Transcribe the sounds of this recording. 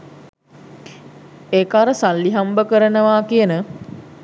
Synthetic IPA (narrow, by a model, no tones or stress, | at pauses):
eːkaɾəsalːiɦambəkəɾənəʋaːkijənə